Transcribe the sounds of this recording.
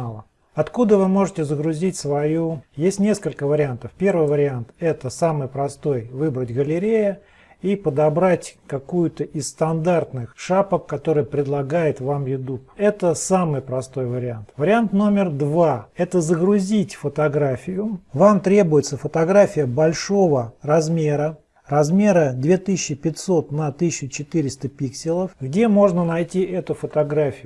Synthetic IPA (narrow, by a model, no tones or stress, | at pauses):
lˠə | ɐt̪kud̪əvɨmo̞ʐɨtʲɪzəɡɾʊzʲitʲsvɐjujesʲtʲnʲe̞skəlʲkəvəɾʲɪant̪əfpʲe̞rvɨjvəɾʲɪant̪ɛt̪əsamɨjpɾɐst̪o̞jvɨbɾətʲɡəlʲɪɾʲejə | ipəd̪ɐbɾatʲkɐkujʊt̪əʔɪst̪ɐnd̪art̪nɨxʂapəkkɐt̪o̞ɾɨjpɾʲɪd̪lˠɐɡajɪt̪vamjʊd̪up̚ɛt̪əsamɨjpɾɐst̪o̞jvəɾʲɪant̪vəɾʲɪant̪no̞mʲɪrd̪vaɛt̪əzəɡɾʊzʲitʲfət̪ɐɡɾafʲɪjʊvamt̪ɾʲe̞bʊjɪt̪səfət̪ɐɡɾafʲɪjəbɐlʲʂo̞vərɐzmʲe̞ɾə | rɐzmʲe̞ɾəd̪vʲe̞t̪ɨsɪɕːɪpʲɪt̪ʲso̞t̪nɐt̪ɨːɪt͡ɕɪt̪ɨɾʲɪst̪əpʲiksʲɪlˠəfɡdʲe̞mo̞ʐnənɐjtʲiʔɛt̪ʊfət̪ɐɡɾafʲɪjʊ